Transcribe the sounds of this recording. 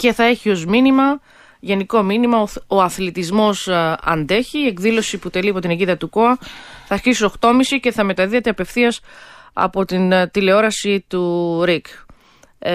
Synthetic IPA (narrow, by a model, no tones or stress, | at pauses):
ce̞θɐe̞çio̞zminimɐ | ʝe̞niko̞minimɐoo̞ɐθlit̪izmo̞sɐ̰nd̪e̞çiːe̞kðilo̞siput̪e̞liɐpo̞t̪ineɟiðɐt̪uko̞ɐθɐːɾçisio̞xt̪o̞misice̞θɐme̞t̪ɐðiet̪eɐpe̞fθiɐsɐ̰po̞t̪int̪ile̞o̞ɾɐsit̪uɾik